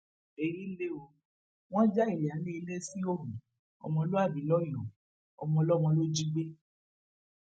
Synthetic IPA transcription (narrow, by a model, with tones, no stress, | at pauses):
e˧ɾi˦le˦o˧ | w̃ɔ̃˦d͡ʒa˦i˦˨li˨a˨˦le˦i˧le˦si˦o˦˨ɾũ˨ | ɔ̰˧mɔ̃˧lo˦a˦˨bĩ˨˦lɔ˦j̃ɔ̃˨ | ɔ̰˧mɔ̃˧lɔ˦˨mɔ̃˧lo˦d͡ʒi˦ɡ͡be˦